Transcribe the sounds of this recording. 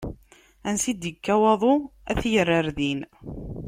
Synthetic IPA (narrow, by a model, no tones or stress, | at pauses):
ænsid̪əkːæwɑðˤoæθjərːəɾðin